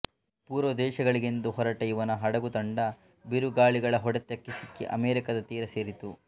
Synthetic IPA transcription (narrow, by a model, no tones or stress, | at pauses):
puːɾʋɐd̪ɛːʃɐɡɐɭiɡend̪uɦɔɾɐʈɐjuʋɐnɐɦɐɽɐɡut̪ɐɳɖɐ | biɾuɡaːɭiɡɐɭɐɦɔɽɐt̪ːjɐkːesikːḭʔɐmeːɾikɐd̪ɐt̪iːɾɐseːɾit̪u